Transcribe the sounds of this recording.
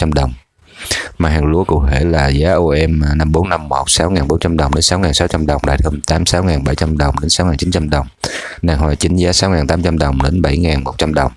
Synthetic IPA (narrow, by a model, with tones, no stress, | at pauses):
a˧mɗə˨˩wŋ͡m | maː˨˩haː˨˩ŋlu˧˩əkṵ˧˨t̪ʰe˧˩laː˨˩zaː˨˦ʔo˧ʔɛ˧m˨˩na˧mɓo˨˦nːa˧mːo˨˩t̚saː˨˦wŋaː˨˩nɓo˨˦nt͡ɕa˧mɗə˨˩wŋ͡mɗe˨˦nsaː˨˦wŋaː˨˩nsaː˨˦wt͡ɕa˧mɗə˨˩wŋ͡mɗa̰˧˨˩jt̪ʰə˧mt̪aː˨˦msaː˨˦wŋaː˨˩nɓa˧˩jt͡ɕa˧mɗə˨˩wŋ͡mɗe˨˦nsaː˨˦wŋaː˨˩nt͡ɕi˨˦nt͡ɕa˧mɗə˨˩wŋ͡mnaː˨˩ŋhwaː˨˩t͡ɕï˨˦ŋ̟zaː˨˦saː˨˦wŋaː˨˩nt̪aː˨˦mt͡ɕa˧mɗə˨˩wŋ͡mɗe˨˦nɓa˧˩jŋaː˨˩nmo˨˩t̚t͡ɕa˧mɗə˨˩wŋ͡m